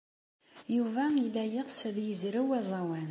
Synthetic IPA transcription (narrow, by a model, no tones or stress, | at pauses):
juvæilːæjəʁsæðjəzɾəwæzˤɑwæn